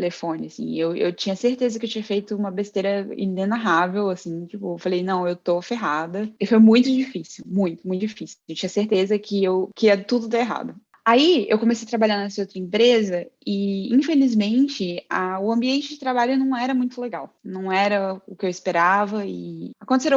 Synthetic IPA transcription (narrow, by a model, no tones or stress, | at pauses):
elefõnɪasḭ̃ewḛwt͡ʃĩɲɐseɾt̪ezɐkɪewt͡ʃĩɲɐfejt̪ʊũmɐbest̪ejɾɐḭ̃nẽnaɦavewasĩt͡ʃipʊefalejnɐ̃w̃ewt̪ofeɦad̪ɐɪfojmũj̃t̪ʊd͡ʒifisiwmũj̃t̪ʊmũj̃t̪d͡ʒifisĩewt͡ʃĩɲɐseɾt̪ezɐkʰɪewkɪiɐt̪ud̪ʊd̪aeɦa̰d̪ʊ | aiḛwkõmesejɐt̪ɾabaʎɐ̃nnɛsɐowt̪ɾɐẽmpɾezɐɪĩfelizmẽt͡ʃɪaʊɐ̃mbiẽnt͡ʃɪd͡ʒɪt̪ɾabaʎʊnɐ̃w̃ɛɾɐmũj̃t̪ʊleɡawnɐ̃w̃ɛɾɐʊkɪewispeɾavɐɪakõt̪eseɾ